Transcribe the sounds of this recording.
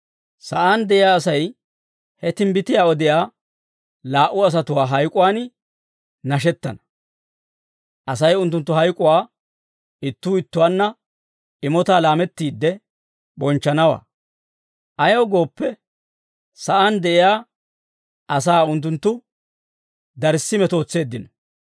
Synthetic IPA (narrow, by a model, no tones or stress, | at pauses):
sɐʔand̪ɛʔɪjaːs̬ɐj | hɛt̪ɪmbɪt̪ɪjaːɔd̪ɪjaː | laːʔːʊɐs̬ɐt̪ʊwaːɦɐjkʼʊwaːnɪ | nɐʃɛt̪ːɐ̰nɐ̥ | ʔɐsɐjʊnt̪ːʊnt̪ːʊɦɐjkʼʊwaː | ɪt̪ːuːɪt̪ːʊwaːnːɐ | ɪmɔt̪aːlaːmɛt̪ːiːd̪ːɛ | bɔnt͡ʃːɐnɐwa̰ː | ʔɐjɡo̞ːpːɛ | sɐʔɐnd̪ɛʔɪjaː | ʔɐs̬aːʊnt̪̬ːʊnt̪ːʊ | d̪ɐɾsːɪmɛt̪o̞ːt͡sːe̞ːd̪ːɪnɔ